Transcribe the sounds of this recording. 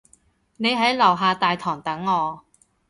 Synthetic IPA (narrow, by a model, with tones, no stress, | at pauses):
ne˨˧jɦɐ˨˥jlɐ˨˩wɦaː˨˧t̪aː˨jt̪ʰɔː˨˩ŋt̪ɐ˨˥ŋːɔː˨˧